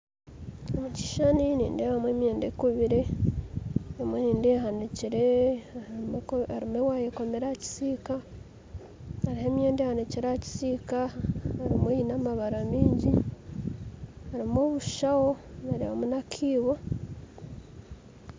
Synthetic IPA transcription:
omuci̥ʃaninḭːndehamwe̞ːmje̞ːndekuβiɾe | emweniːndehaniciɾe | aɾimwewajeko̞meɾaci̥siːka | aɾiɦemje̞ːndehaniciɾaci̥siːkaaɾimweinamaβaɾamiːɲɟi | aɾimoβuʃawo̞naɾia̰munakʰiːβo

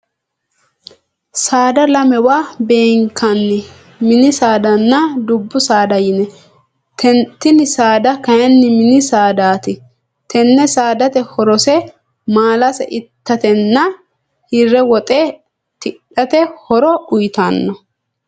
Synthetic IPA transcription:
saːd̪ɐlɐmɛwaːbeːŋkʰːɐnːɪ | mɪnɪsaːd̪ɐnːɐd̪ʊbːʊsaːd̪ɐjɪnɛ | t̪ʰɛnt̪ːɪnɪsaːd̪ɐkɐjɐnːɪmɪnɪsaːd̪aːt̪ɪ | t̪ʰɛnːɛsaːd̪ɐt̪ɛhɔɾɔsɛ | maːlɐsɛ̰ʔɪt̪ːɐt̪ɛnːɐ | hɪrɛwɔt̪ʼeː | t̪ɪᶑɐt̪ɛhɔɾɔʊjt̪anːɔ

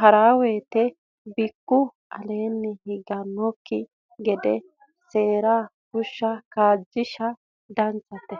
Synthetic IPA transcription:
hɐɾaːwe̞ːt̪ɛ | bɪkːʊ | ɐ̰leːnːɛhɪɡɐnːɔkːɪ | ɡɛd̪ɛ | se̞ːɾaː | kʊʃːɐkaːd͡ʒːɪʃɐ | d̪ɐnt͡sːɐt̪ːɛ

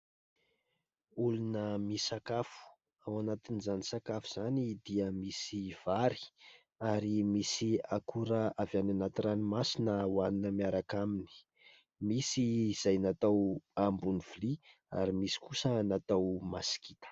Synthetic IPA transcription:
ulunəmisakafu̥ | awanat̪inizanisakafu̥z̥anid̪iəmisiv̥aɾi̥ | aɾimisiakʰuɾəavjananat̪iranimasinəwaninəmiaɾakamini̥ | misiːz̥ajnat̪awambuniv̥li | a̰ɾimisi̥kusənat̪awmasi̥kit̪ə̥

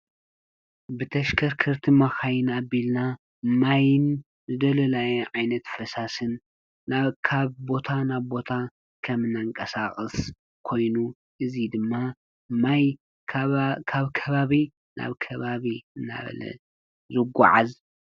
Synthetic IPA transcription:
bɨt̪ʰɐʃkʰɐɾkʰɐɾt̪ʰimaxajɪnabilna | majɨn | zɨd̪ɐlɐlajɛʕajnɐt̪fɐsasɨnː | akʰaβbo̞t̪ʰanaβbo̞t̪ʰa | kʰɐmɨnːaŋkʼɐsaxʼɨs | kʰo̞jnu | ʔɨzid̪ɨmːa | maj | kʰaβkʰɐβaβi | na̰βkʰɐβaβiɨnːa̰βɐ̰lɐ̰ | zɨɡʷa̰ʕaz

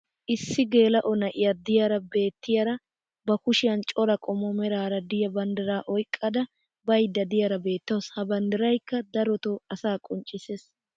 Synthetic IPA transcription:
ʔɪsːɪɡe̞ːlɐʔɔnɐʔɪjɐd̪ɪjɐɾɐbe̞ːt̪ːɪjɐɾɐ | bɐkʊʃɪjɐnt͡ʃʼɔɾɐkʼɔmɔmɛɾaːɾɐd̪ɪjɐbɐnd̪ɪɾaːʔɔjkʼːɐd̪ɐ | bɐjd̪ːɐd̪ɪjɐɾɐbe̞ːt̪ːɐwshɐbɐnd̪ɪɾɐjkːɐd̪ɐɾɔt̪oɐsaːkʼɔnt͡ʃʼːɪses

